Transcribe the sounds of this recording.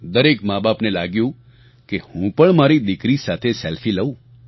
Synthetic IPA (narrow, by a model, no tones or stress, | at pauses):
d̪əɾekmabapnelaɡjũ | kehũpəɳmaɾid̪ɪkɾisat̪ʰesɛlfiləũ